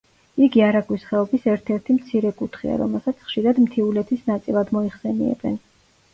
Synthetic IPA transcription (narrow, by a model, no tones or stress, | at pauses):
iɡiaɾaɡʼwisχɛɔbisɛɾt̪ʰɛɾt̪ʰimt̪sʰiɾɛkʼut̪ʰχḭa̰ɾɔ̰mɛlˠsat̪sʰχʃiɾad̪mt̪ʰiulɛt̪ʰisnat̪sʼilˠad̪mɔiχsɛniɛ̰bɛ̰n